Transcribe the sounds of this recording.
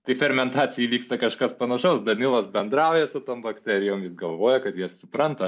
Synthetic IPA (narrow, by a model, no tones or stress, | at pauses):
t̪ɐɪfʲɛrmʲɛnt̪ɑːt͡sʲɪjiʋʲiːkst̪ɐkɐʃkɐspɐnɐʃɐʊsdʲɐtnʲɪlˠoːsbʲɛnd̪ɾɑʊjɛsʊt̪oːmbɐkt̪ʲɛɾʲɪjoːmjɪsɡɐlˠʋoːjɛkɐt̪jiɛsʊpɾɐnt̪ɐ